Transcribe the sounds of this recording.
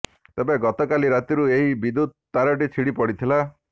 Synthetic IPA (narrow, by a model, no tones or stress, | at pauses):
t̪ebeɡɔt̪ɔkaliɾat̪iɾueɦibid̪ud̪̚t̪aɾɔʈit͡ʃʰiɽipɔɽit̪ʰila